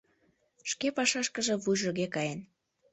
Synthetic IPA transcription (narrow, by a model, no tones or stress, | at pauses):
ʃkepɑʃɑʃkə̆ʒĕβujʒoɣekɑjen